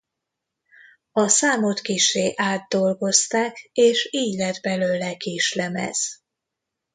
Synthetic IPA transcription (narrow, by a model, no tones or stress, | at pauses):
ɒsaːmot̪kiʃeːʔaːd̪ːo̞lɡo̞st̪aːkeːʃiːɟlɛd̪bɛløːlɛkiːʃlɛmɛ̰z̥